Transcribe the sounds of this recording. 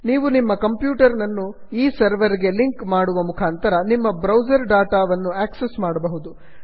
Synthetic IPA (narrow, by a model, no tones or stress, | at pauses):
niːʋunimːɐkɐmpjuːʈɐɾnɐnːu | iːsɐɾʋɐɾiɡe̞liŋkmaːɽuʋɐmukʰaːnt̪ɐɾɐnimːɐbɾɐwd͡ʒɐɾɖaːʈaːʋɐnːuæːksesmaːɽɐbɐɦud̪u